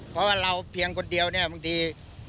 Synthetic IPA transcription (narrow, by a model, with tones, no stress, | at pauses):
pʰɔː˦waː˧˩la˧wpʰi˧əŋkʰo˧ndi˧əwni˥˩ɐmɯ˧˦t̪ʰiː˧